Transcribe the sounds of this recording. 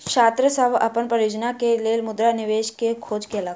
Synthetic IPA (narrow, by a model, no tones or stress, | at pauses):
kʃaːt̪ɾəsəbɐ̰pənpɾəɾjoːd͡ʒnakeleːlmʊd̪ɾanɪʋeːʃkekʰoːd͡ʒkela